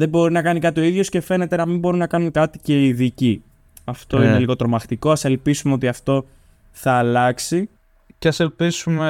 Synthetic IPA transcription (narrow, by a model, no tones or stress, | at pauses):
ðe̞bo̞ɾinɐkɐnikɐt̪io̞iðʝo̞sce̞fe̞ne̞t̪enɐmimbo̞ɾunɐkɐnuŋkɐt̪i̥ce̞iðici | ɐft̪o̞ineliɣo̞t̪ɾo̞mɐxt̪iko̞ɐse̞lpisumeo̞t̪iɐft̪o̞ | θɐːlɐksi | ceɐselpisume